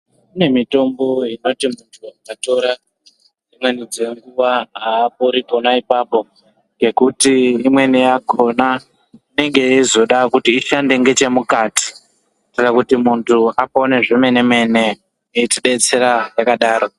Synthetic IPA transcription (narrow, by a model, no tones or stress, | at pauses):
mune̞mito̞mbo̞ino̞timuntʰuakato̞ɾa | d͡zimwe̞nid͡ze̞ŋɡuʋaaːp̚oɾiko̞naipaːpo̞ | ŋɡe̞kutiimwe̞nijako̞na | ine̞ŋɡe̞izo̞ɗakutiːʃande̞ŋɡe̞t͡ʃe̞mukaːti̥ | ktirakutimuntʰuapo̞ne̞ʐeme̞ne̞me̞ne̞ | eitiɗe̞t͡se̞ɾajakaɗaːɾo